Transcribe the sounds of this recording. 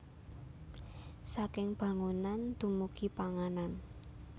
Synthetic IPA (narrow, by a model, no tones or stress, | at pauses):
sakɪŋb̥ä̤ŋunand̪̥ṳmukipaŋanan